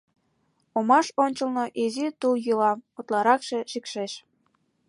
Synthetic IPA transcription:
omɑʃonʲt͡ɕəlnoʔizit̪uljulɑmot̪lɑɾɑkʃeʃikʃeʃ

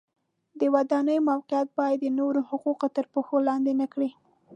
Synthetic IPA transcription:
d̪əwad̪ɑnəjmawqɪjat̪̚bɑjad̪ːənoɾohʊquqot̪əɾpoxolɑnd̪enakɽi

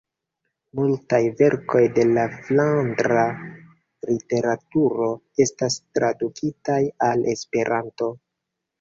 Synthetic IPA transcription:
multajve̞ɾko̞jde̞laflandɾa | lite̞ɾatuɾo̞ | e̞stastɾadukʰitajalʔe̞spe̞ɾanto̞

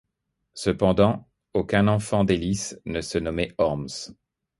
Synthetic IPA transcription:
səpɑ̃d̪ɑ̃ | okʲɛ̃nɑ̃fɑ̃d̪elisnəsənɔmɛɔʁms

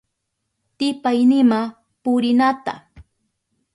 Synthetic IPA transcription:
t̪ɪpajnɪma | pʊɾɪnat̪a̰

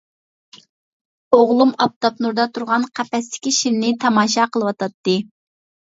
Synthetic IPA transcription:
oʁlˠumɑp̚t̪ɑpnuɾd̪ɑt̪ʰuɾʁɑnqʰæpɛst̪ɪ̥kʲiʃiɾnɪt̪ʰɑmɑːʃ̬ɑqəlˠɨwɑt̪ɑt̪ːɨ

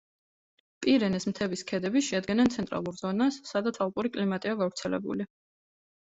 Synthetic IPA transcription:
pʼiɾɛnɛsmt̪ʰɛbiskʰɛd̪ɛbiʃɛad̪ɡɛnɛnt̪sʰɛnt̪ʼɾa̰lˠuɾz̥ɔnasːad̪at̪sʰalˠpʼuɾikʼlimat̪ʼiaɡavɾt̪sʰɛlɛ̰bṵli

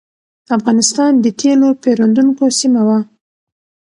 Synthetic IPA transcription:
afɣɑnɪst̪ɑnd̪ət̪ʰelopeɾand̪uŋkosimawa

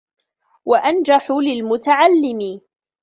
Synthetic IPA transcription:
waʔand͡ʒaħʊlɪlmʊt̪aʕalːɪmɪ

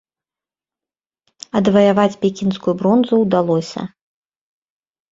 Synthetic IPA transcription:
ɐd̪vɐjavat͡sʲpʲekʲinskujubɾɔnzuwd̪alˠɔsʲɐ̰

